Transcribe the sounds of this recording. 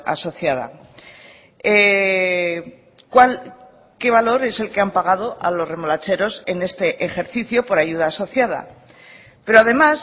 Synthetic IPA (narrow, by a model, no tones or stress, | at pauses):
a̰so̞θjaða̰ | e | kwal | ke̞βalo̞ɾe̞se̞lke̞ampaɣaðo̞ʔalo̞sre̞molat͡ʃe̞ɾo̞se̞ne̞st̪e̞ʔexe̞ɾθiθjo̞po̞ɾaʝuð̞aːso̞θjað̞a̰ | pe̞ɾo̞aðe̞mas